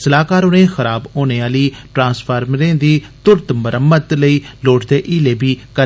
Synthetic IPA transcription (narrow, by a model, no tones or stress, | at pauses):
səlaːkaːɾoːnẽːxəɾaːboːnẽːaːliːʈɾãːnspʰaːɾmɾẽːd̪iːt̪ʊɾt̪məɾʔəmːət̪ləiːloːʈd̪eːʔiːleːbiːkə